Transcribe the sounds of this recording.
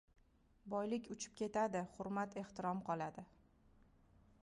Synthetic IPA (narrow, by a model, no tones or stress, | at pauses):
bɒjlɪkʲʊt͡ʃʰɪ̥p̚kʲʰe̞t̪ad̪ɪhʊɾmat̪e̞ht̪ɪɾɒmqʰɒlad̪ɪ